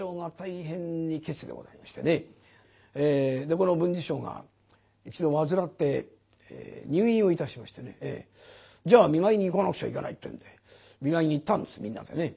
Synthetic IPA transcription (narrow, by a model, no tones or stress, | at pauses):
o̞ːŋat̪aiɦẽ̞ɲːike̞t͡sɨd̪e̞ɡo̞̰za̰imaɕi̥t̪ene̞ | ed̪e̞ko̞no̞bɯ̟̃ɲd͡ʑiɕo̞ːɡa̰ | it͡ɕid̪o̞βazɨɾat̪ːe̞ | ḛɲ̟ʲɨːĩo̞it̪aɕimaɕi̥t̪ene̞̰ḛ | d͡ʑaːmʲiŋaiɲ̟iːkanakɯ̟̥ia̰ḭkana̰it̪ːojɯ̰̃nd̪e̞ | mʲiŋaiɲ̟iːt̪ːãnd̪e̞sɨmʲĩnːa̰d̪e̞ne̞